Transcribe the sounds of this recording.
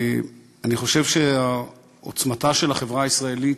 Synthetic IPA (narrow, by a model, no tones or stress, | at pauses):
aniχo̞ʃevʃea | o̰t͡smataʃe̞laχevʁaːisʁaelit